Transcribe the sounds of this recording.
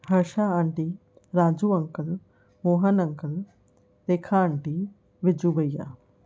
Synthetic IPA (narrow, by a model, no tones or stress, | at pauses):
həɾʃaːəɳʈiː | ɾaːd͡ʒuːəŋkəl | moːɦənəŋkəl | t̪eːkʰaːəɳʈiː | ʋɪd͡ʒuːbəija̰ː